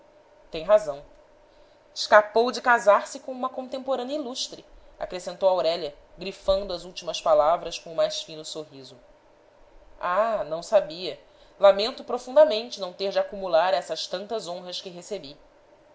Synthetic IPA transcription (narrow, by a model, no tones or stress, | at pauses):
t̪ẽj̃ɦazɐ̃w̃ | ɪʃkapowd͡ʒɪkazaɾsɪkõũmɐkõnt̪ẽmpoɾɐ̃njɐiluʃt̪ɾɪa̰kɾesẽnt̪owawɾɛʎɐɡɾifɐ̃nd̪ʊɐzuwt͡ʃimɐspalavɾɐskõʊmajsfĩnʊsoɦizʊ | anɐ̃w̃sabiɐ | lamẽnt̪ʊpɾofũnd̪amẽnt͡ʃɪnɐ̃w̃t̪eɾd͡ʒɪakumulaɾɛsɐʃt̪ɐ̃nt̪ɐzõɦɐskɪɦesebi